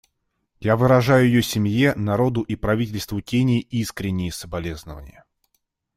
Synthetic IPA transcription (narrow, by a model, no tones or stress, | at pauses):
javɨɾɐʐajʊjɪjosʲɪmjenɐɾo̞d̪ʊʔipɾɐvʲitʲɪlʲst̪vʊtʲenʲɪjʔiskɾʲɪnʲːɪjəsəbɐlʲe̞znəvə̰nʲɪ̰jə